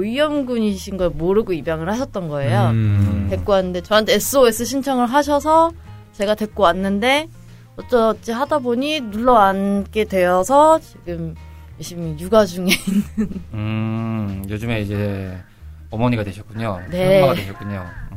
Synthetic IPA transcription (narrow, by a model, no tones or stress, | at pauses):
ijʌmɡuɲiɕʰinɡʌmoɾɯɡoibjaŋɯɭhaɕ̬ʰʌt̚t͈ʌnɡʌe̞jotwe̞k͈oanːɯnde̞t͡ɕʌɦantʰe̞ːs͈ʰɯoesʰɯɕʰint͡ɕʰʌŋɯɭɦaɕ̬ʰʌs̬ʰʌ | t͡ɕe̞ɡadwe̞k͈oanːɯnde̞ | ʌt͡ɕ͈ʌt͡ɕ͈iɦadaboɲinuɭːʌank͈e̞dwe̞jʌsʰʌt͡ɕiɡɯm | jeɕʰimijuɡad͡ʑuŋeinːɯnɯ | jod͡ʑume̞id͡ʑe̞ | ʌmʌɲiɡadweɕʰʌt̚k͈uɲo̰ne̞aɡaeɕʰʌt̚k͈uɲo̰